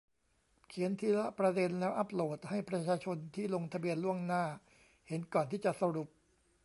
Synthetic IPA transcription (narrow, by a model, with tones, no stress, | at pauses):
kʰi˩˦ənt̪ʰiː˧la˦˥pɾa˧de˧nlɛː˦˥wʔa˦˥p̚loː˨˩t̪̚ha˥˩jpɾa˧t͡ɕʰaː˧t͡ɕʰo˧nt̪ʰiː˥˩lo˧ŋt̪ʰa˧bi˧ənlu˥˩əŋnaː˥˩ | he˩˦nkɔː˨˩nt̪ʰiː˥˩t͡ɕa˨˩ʔsa˧ɾu˨˩p̚